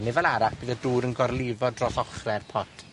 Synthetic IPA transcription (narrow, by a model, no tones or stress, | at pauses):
nɪvɛlˠaɾakb̥iːðɔduːɾənɡɔrlˠɪvɔdrɔθɔχrɛrpʰɔtʰ